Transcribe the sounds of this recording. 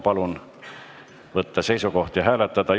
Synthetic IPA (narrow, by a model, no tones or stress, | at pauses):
pɑlun | vɤt̪ːɑse̞jsuko̞ht̪jɑɦæːlet̪ːɑd̪̥ɑ